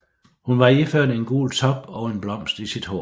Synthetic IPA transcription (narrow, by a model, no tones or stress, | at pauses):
hunʋɑ̈iføɐ̰d̥e̝nɡ̥ṵːlt͡sʰɒ̽b̥ɒʊe̝nb̥lɒ̽m̰sd̥isid̥ho̰ː